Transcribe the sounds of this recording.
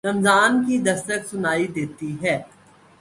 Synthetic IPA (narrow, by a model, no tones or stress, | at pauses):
ɾɐmzaːnkid̪ɐst̪əksʊnaːid̪eːt̪iɦɛː